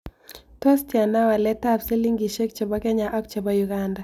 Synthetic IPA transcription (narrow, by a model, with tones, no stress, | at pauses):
tɔ˦stja˨na˦wa˨lɛ˦ta˦fse˦li˦ŋɡi˨ʃɛ˦k̚t͡ʃɛ˨bɔ˦kɛ˦ɲa˨ʔa˦k̚t͡ʃɛ˨bɔ˦juɡanda˨